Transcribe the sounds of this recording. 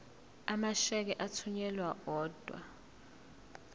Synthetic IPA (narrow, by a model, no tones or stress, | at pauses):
amaʃɛk̬ɛʔatʰuɲɛlwaɔːd̥ʱwa̰